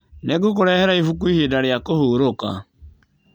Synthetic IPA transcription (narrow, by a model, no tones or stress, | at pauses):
neɡuk̬oɾɛhɛɾaifukuihedaɾejakohuːɾoka̰